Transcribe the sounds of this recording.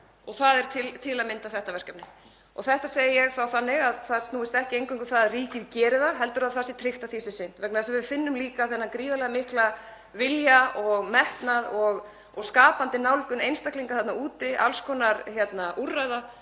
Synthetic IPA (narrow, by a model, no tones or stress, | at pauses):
ɔɣθaðɛɾ̥t̪ʰɪlt̪ʰɪlaðmɪnt̪aθɛht̪avɛr̥capnɪ | ɔɣθɛht̪aseːjɪjɛɣθawθanːɪɣaðθaðst̪uːɪst̪ɛhcɪejŋkʰvʏŋkʏθaðriːcɪðcɛːɾɪðaðɦɛlt̪ʏɾaðθasɪt̪ʰɾɪht̪aθiːsɪsɪn̥t̪vɛknaðasɛmvɪʏɾfɪnːʏmliːkaθɛnːakɾiːðalɛɣamɪhkla | vɪljaɔɣmɛht̪naðɔɣ | ɔɣskaːpant̪ɪnawlkʏnejnst̪ahkliŋkaθat̪nauːt̪ɪʔa̰lskʰɔnaɾçjɛt̪naʔurːaɥða